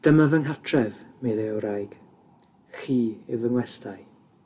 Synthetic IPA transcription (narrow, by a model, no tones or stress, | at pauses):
d̥əmavəŋɦatʰrɛvmeðɛoɾajɡ̥ | χiːɪwvəŋlɛstʰaj